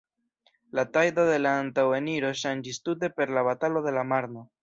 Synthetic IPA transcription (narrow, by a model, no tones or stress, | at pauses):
latajd̪o̞ðe̞laːntaweniɾo̞ʃand͡ʒistut̬e̞pe̞ɾlaβatalo̞de̞lamaɾno̞